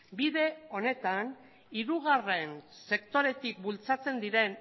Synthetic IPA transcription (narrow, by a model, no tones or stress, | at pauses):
biðe̞o̞ne̞t̪an | iɾuɣ̞are̞nse̞kt̪o̞ɾe̞t̪ik̚bult͡sat͡se̞nd̪iɾe̞n